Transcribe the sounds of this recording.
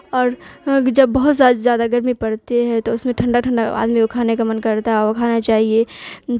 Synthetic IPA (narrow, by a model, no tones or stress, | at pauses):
ɔːɾd͡ʒɐbːɐɦʊt̪zaːd̪zjaːd̪aɡɐɾmipɐɽt̪eɦɛ̃t̪oʊsmẽʈʰɐ̃ɳɖaʈʰə̃ɳɖaa̰ːd̪mikokʰaːnekamɐnkɐɾt̪aɦɛɔkʰaːnat͡ʃaːɦie